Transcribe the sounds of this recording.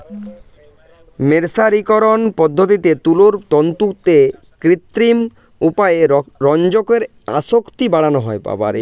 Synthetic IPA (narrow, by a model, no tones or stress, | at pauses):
meɾsaɾikoɾonpɔd̪ʱːot̪it̪et̪uloɾt̪ɔnt̪ukt̪e | kɾit̪ɾim | upaeɾɔnd͡ʑokeɾ | a̰ʃokt̪ibaɽanoɦɔepa̰ba̰ɾ